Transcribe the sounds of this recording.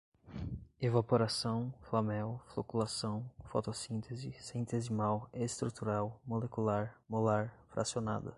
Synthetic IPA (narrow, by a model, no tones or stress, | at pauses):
evapoɾasɐ̃w̃flɐmɛwflokulasɐ̃w̃fɔt̪osĩnt̪ʰezɪsĩnt̪ezɪmawest̪ɾut̪uɾawmolekulaɾmolaɾfɾa̰siona̰d̪ɐ